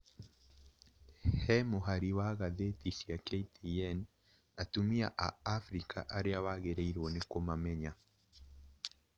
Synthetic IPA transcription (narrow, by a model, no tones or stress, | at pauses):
hɛmoɦaɾiwaɣaðetisiakeitiɛn | atumia̰ʔaːfɾika̰ʔaɾeawaɣeɾeiɾwɔnekomamɛɲa